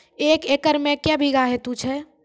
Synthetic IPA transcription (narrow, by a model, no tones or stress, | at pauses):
eːkeːkəɾmẽkjɛbʱiɡaɦɛt̪ũt͡ʃʰɛ